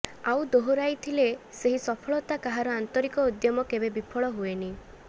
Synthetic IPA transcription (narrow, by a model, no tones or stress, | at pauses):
awd̪oɦuɾajt̪ʰileseɦisɔpʰɔɭɔt̪akaɦaɾɔant̪ɔɾikɔud̪jɔmɔkebebipʰɔɭɔɦueni